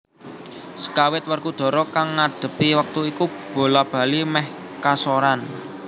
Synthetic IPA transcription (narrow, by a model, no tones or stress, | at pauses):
sə̥kawɪt̪̚wərkud̪̥ɔ̤ɾɔkaŋːaɖ̪̥ə̤piwək̚t̪uikub̥o̤lab̥ä̤limɛh | kasoɾan